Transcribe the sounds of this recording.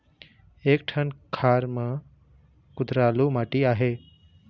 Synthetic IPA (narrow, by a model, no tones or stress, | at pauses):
eːk̚ʈʰənkʰaːɾmã | kʊd̪ɾaːlumaːʈiaːɦe